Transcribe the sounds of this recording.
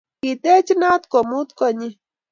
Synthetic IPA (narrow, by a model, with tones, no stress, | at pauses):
ki˨t̪e˦t͡ʃi˦na˦t̪ko˨mu˦t̪kɔ˦˨ɲi˦